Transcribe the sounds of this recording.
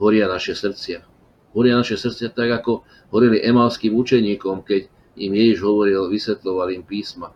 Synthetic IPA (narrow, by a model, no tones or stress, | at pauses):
ɦɔɾɪanaʃɛsr̩t͡sɪa | ɦɔɾɪanaʃɛsr̩t͡sɪat̪aɡakɔ | ɦɔɾiliʔɛmaʊskiːmut͡ʃɛɲiːkɔmkɛɟ | imjɛʒiʒɦɔʋɔɾilʋisʋɛt̪lɔʋalimpiːsma